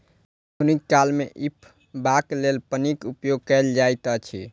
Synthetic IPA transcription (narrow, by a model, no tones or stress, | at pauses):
unikːalmeʔipʰ | baklelpənikupjoɡ̚kɛld͡ʒajt̪ət͡ʃʰḭ